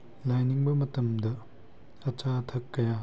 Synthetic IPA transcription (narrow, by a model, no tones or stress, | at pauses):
lajniŋbɐmɐtɐmdɐ | ɐt͡ʃatʰɐkːɐja